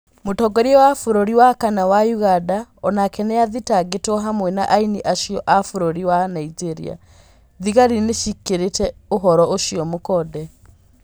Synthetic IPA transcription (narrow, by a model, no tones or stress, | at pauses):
motɔɡɔɾiɔwafoɾoɾiwakanawajuɣadaɔnakɛnɛjaðitaɡetɔɦamwɛnaʔainiʔaʃiɔʔafoɾoɾiwanaid͡ʒeɾḭa̰ | ðiɣaɾineʃikeɾetɛoɦɔɾɔʔoʃiɔmokɔdɛ